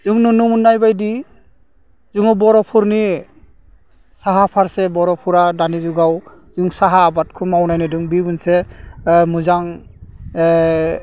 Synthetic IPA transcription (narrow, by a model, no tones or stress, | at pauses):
zuŋnunumunːajbajdi | zuŋɔbɔɾɔpʰuɾni | saɦapʰaɾsɛbɔɾɔpʰuɾadanizuɡaw | zɯŋsaɦaːbat̚kʰumawnajnɯduŋbibunsɛ | muzaŋ